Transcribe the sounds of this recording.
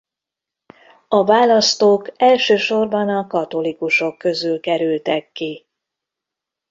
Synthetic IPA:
ɒvaːlɒst̪oːkɛlʃøːʃo̞rbɒnɒkɒt̪o̞likuʃo̞kːø̞zylkɛɾylt̪ɛkːi

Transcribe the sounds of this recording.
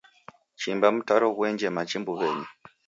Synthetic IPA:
t͡ʃimbam̩taɾɔɣwɛɲd͡ʒɛmat͡ʃimbuβɛɲi

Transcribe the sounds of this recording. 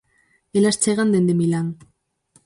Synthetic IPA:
elast͡seɣand̪end̪emilaŋ

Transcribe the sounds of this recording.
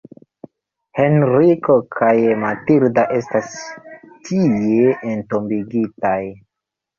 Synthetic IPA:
he̞nɾiko̞kʰajmatiɾdaʔe̞stastʰijeːnto̞mbiɡitaj

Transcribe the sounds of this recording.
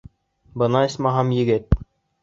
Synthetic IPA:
bɤ̆nɑɘsʲmɑɦɑmjɘ̆ɡɘt̪̚

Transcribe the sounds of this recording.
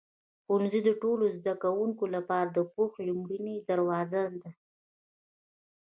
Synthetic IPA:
xʊnzid̪əʈolozd̪akawuŋkolapɑɾad̪əpoxlʊmɾined̪aɾwɑzad̪a

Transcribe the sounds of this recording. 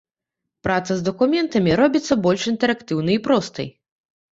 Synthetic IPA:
pɾat̪sɐzd̪ɐkumʲɛnt̪ɐmʲiɾɔbʲit̪sːɐbɔlʲʂint̪ɛɾɐkt̪ɨwnɨipɾɔst̪ɨ̰j

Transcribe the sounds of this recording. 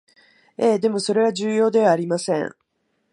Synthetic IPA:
e̞ːd̪e̞mo̞so̞ɾe̞βaʑɨːjo̞ːd̪e̞β̞aːɾʲimasẽ̞ŋ

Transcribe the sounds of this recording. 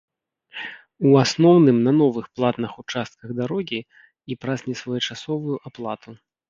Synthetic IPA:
uasnɔwnɨmnɐnɔvɨxplˠat̪nɐxut͡ʂast̪̚kɐɣd̪aɾɔɣʲi | ipɾazʲnʲɛsvɐjɐt͡ʂasɔvujuʔaplˠat̪u

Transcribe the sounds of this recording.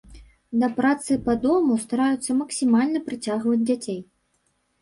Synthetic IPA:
d̪ɐpɾat̪sɨpɐd̪ɔmust̪aɾajut̪sːɐmɐksʲimalʲnɐpɾɨt͡sʲaɣvɐd͡zʲd͡zʲat͡sʲej

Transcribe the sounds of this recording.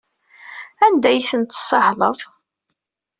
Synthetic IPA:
ænd̪æjθənt̪sːɑhləðˤ

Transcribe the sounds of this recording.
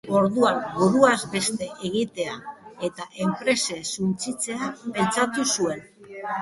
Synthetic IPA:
o̞ɾðuanbuɾuazbe̞st̪e̞ʔeɣ̞it̪e̞ae̞t̪aʔe̞mpɾe̞se̞sunt͡sit͡se̞ape̞nt͡sat̪usue̞n

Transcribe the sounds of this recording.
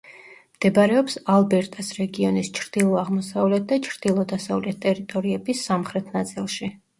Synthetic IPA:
md̪̥ɛbaɾɛɔpsalˠbɛɾt̪ʼɛsɾɛɡiɔnist͡ʃʰɾd̪̥ilˠɔaʁmɔsavlɛt̪̚ʰd̪at͡ʃʰɾd̪̥ilˠɔd̪asavlɛt̪̚ʰt̪ʼɛɾit̪ʼɔɾiɛbisːamχɾɛt̪ʰnat̪sʼilˠʃi

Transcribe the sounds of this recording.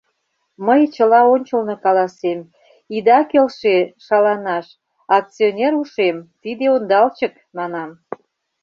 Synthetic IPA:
məjt͡ɕəlɑonʲt͡ɕəlnɤkɑlɑsem | id̪ɑkelʃeʃɑlɑnɑʃ | ɑk̚t͡sionʲeɾuʃemt̪id̪eond̪ɑlt͡ɕək | mɑnɑm

